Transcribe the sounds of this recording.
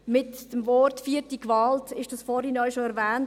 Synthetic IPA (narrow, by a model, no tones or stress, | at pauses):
mɪtd̥əmvɔɾtfiːəɾtikʋɑːltɪʃd̥ɑsfɔːɾhɪnɔʏʃoɛɾvɛːnt